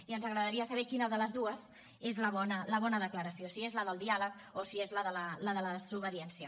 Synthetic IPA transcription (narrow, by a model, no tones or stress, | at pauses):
iənzəɣɾəðəɾiəsəβ̞ɛkinəðələzðuəz | ezləβɔnələβɔnəðəkləɾəsiosiezləðəlˠd̪ialək̚ | osiezləðələləðələðəzuβəðiɛnsiə